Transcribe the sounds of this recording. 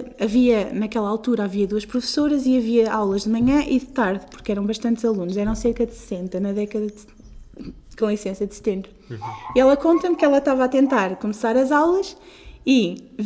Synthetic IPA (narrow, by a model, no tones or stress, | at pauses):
ɐviɐnɐkɛlˠɐalˠt̪uɾaːviɐðuɐʃpɾufsoɾɐziɐviɐawlˠɐʒðɨmɐɲɐ̃ʔiðɨt̪aɾðpuɾkɛɾɐ̃w̃bɐʃt̪ɐ̃nt̪zɐlˠunuʃɛɾɐ̃w̃seɾkɐðsɨ̥sẽnt̪ɐnɐðɛkɐðɐd̪ | kõisẽsɐd̪sɨ̥t̪ẽmbɾuiɛlˠɐkõnt̪ɐmkɛlˠɐʃt̪avaːt̪ẽnt̪aɾkumsaɾɐzawlˠɐʃi